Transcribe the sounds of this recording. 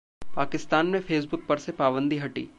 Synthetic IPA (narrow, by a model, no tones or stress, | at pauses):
paːkɪst̪aːnmẽfʰeːs̬bʊk̚pɐɾsepaːbə̃nd̪iɦɐʈḭː